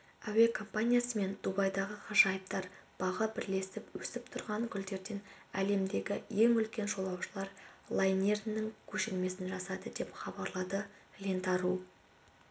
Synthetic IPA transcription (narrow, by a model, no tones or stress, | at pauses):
æwe̞kʰo̞mpanʲijasəme̞nd̪ubɑjd̪ɑʁəqʰɑʒɑjəp̚t̪ɑɾb̥ɑʁəbɪɾle̞sɪpwɵsɪp̚t̪ʰʊɾʁɑŋkʲʰʏld̪e̞ɾd̪e̞n | æ̰le̞md̪e̞ɡʲɪje̞ŋʏlkʲe̞nʒo̞lˠɑwʃəlˠɑɾlˠajnʲe̞rnːɪŋkʲʰɵʃɪlme̞sɪnʒɑsɑd̪əd̪e̞pχɑbɑɾlˠɑd̪ə | lʲent̪ɑɾu